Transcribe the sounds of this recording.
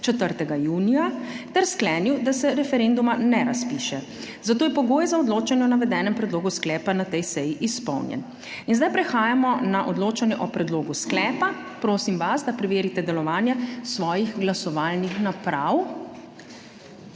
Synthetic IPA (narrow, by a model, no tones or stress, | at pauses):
t͡ʃɛt̪əɾt̪ɛɡajuːnijat̪ɛɾsklɛːniwd̪asɛɾɛfɛɾend̪umanɛɾaspiːʃɛ | zat̪oːjɛpɔɡoːjɛzaɔd̪loːt͡ʃanjɛnaʋɛd̪ɛːnɛmpɾɛd̪loːɡusklɛːpanat̪ɛjsɛjiʔispɔ̰wnjɛ̰n | inzd̪ajpɾɛxaːjamɔnaʔɔd̪loːt͡ʃanjɛʔɔpɾɛd̪loːɡusklɛːpa | pɾoːsimʋazd̪apɾɛʋeːɾit̪ɛd̪ɛlɔʋaːnjɛsʋɔːjixɡlasɔʋaːlnixnapɾaw